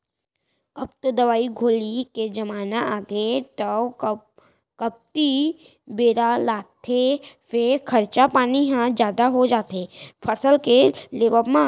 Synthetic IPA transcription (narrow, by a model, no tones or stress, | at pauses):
ɐbt̪od̪ɐʋaːiɡʱoːliked͡ʒɐmaːnaaːɡetɐ | kɐp̚t̪i | beːɾalaːt̪ʰefɪɾkʰɐɾt͡ʃapaːniɦãd͡ʒjaːd̪aɦod͡ʒaːt̪eːpʰɐsəlkeleːʋəmã